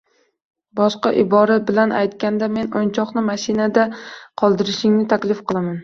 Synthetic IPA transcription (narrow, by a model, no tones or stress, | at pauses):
bɒʃqɑʔɪbɒɾabɪlanʔajt̪kʲand̪ame̞nont͡ʃʰɒqnɪmaʃinad̪aqʰɒlˠd̪ɪɾɪʃɪŋnɪt̪ʰakʲlɪfqɨlˠaman